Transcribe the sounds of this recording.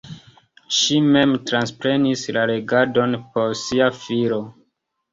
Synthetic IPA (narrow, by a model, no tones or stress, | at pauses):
ʃime̞mtɾanspɾe̞nislaɾe̞ɡado̞npo̞ɾsiafiɾo̞